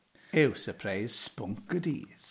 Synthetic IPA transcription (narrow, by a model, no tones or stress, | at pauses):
ɛwsəpʰrejz̥spʊŋkədḭːɾ